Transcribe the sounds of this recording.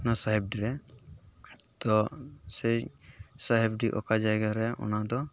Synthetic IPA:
nasaɦɛb̚ɖiɾɛ | t̪ɔsɛsaɦɛb̚ɖiʔɔ̰kad͡ʒajɡaɾɛʔɔ̰nad̪ɔ

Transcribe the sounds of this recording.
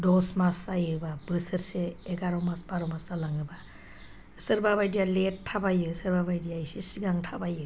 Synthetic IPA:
dɔsmasːajɯbabɯsəɾseeɡaɾɔmasbaɾɔmasalaŋɯba | ɯsɯɾbaβajdijaletʰːabajɯsəɾbabajdijajsisiɡaŋtʰabajɯ

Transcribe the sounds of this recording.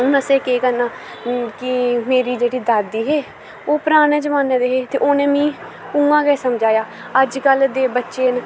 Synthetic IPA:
ʊnəseːkeːkəɾnãː | kɪmeːɾiːd͡ʒeːɽiːd̪aːd̪iːɦeː | oːpɾaːñẽːd͡ʒəmaːnːeːd̪eːɦeːt̪eːʔoːnẽːmĩː | ʊŋɡãːɡɛːsəmd͡ʒaːjaː | əd͡ʒkəld̪eːbətːʃeːn

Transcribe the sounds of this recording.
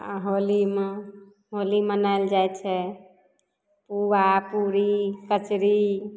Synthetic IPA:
ɦolime | ɦolimənald͡ʒajt͡ʃʰɛ | puɾapuɾikət͡ʃɾi

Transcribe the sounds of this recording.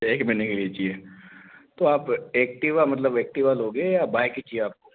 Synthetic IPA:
eːkmɛ̃ːnekeliet͡ʃie | t̪oaːpeːk̚ʈiʋamɐt̪̬ləbeːk̚ʈiʋalɦoːɡejabaːjkit͡ʃieaːp̚ko

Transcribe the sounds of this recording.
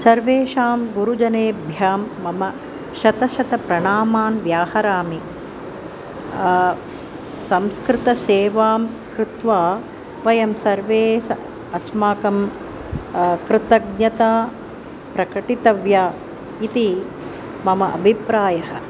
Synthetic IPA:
sɐɾʋeːʃaːmɡuɾud͡ʒɐneːbʱjaːmːɐmɐ | ʃɐt̪ɐʃɐt̪ɐpɾɐɳaːmaːnʋjaːhɐɾaːmi | sɐmskɾɪt̪ɐseːʋaːm | kɾɪt̪ʋaː | ʋɐjɐmsɐɾʋeːsɐ | ɐsmaːkɐm | kɾɪt̪ɐɡ̚ɲɐt̪aː | pɾɐkɐʈit̪ɐʋjaː | it̪i | mɐmɐʔɐ̰bʱipɾaːjɐɦɐ̆

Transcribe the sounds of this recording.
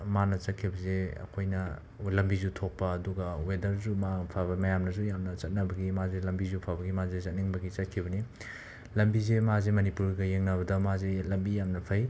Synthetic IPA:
manɐt͡ʃɐt̚kʰibɐzeɐ̰kʰojnɐ | lɐmbizutʰok̚pɐːduɡɐwedɐɾzumapʰabɐmɐjamnɐzujamnɐt͡ʃɐt̚nɐbɐɡimazelɐmbizupʰabɐɡimazezɐt̚niŋbɐɡit͡ʃɐt̚kʰibɐni | lɐmbizemazemɐnipuɾɡɐjeŋnɐbɐdɐmazelɐmbijamnɐpʰɐj

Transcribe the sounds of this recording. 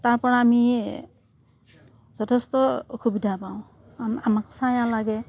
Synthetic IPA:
taɹpɔɹaːmi | zɔtʰɛstɔoxubidʱapãʊ̃ | anamaksajãlaɡɛ

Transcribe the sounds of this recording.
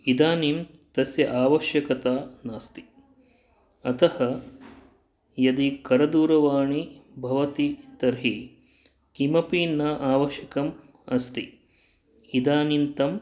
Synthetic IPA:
id̪aːniːmt̪ɐsjɐʔaːʋɐʃjɐkɐt̪aːnaːst̪i̥ | ɐt̪ɐhɐ | jɐd̪ikɐɾɐd̪uːɾɐʋaːɳibʱɐʋɐt̪it̪ɐɾɦi | kimɐpiːnɐʔaːʋɐʃjɐkɐm | ɐst̪i | id̪aːnint̪ɐm

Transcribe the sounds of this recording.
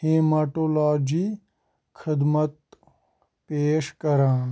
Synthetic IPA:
heːmaʈoːlaːd͡ʒi | kʰɪd̪mɐt̪̚ | peːʃkɐɾãːn

